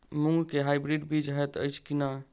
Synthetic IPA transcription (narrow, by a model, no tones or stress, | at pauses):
muŋɡkeɦajbɾiɖbid͡ʒɦɛt̪ə̰jt͡ʃʰkina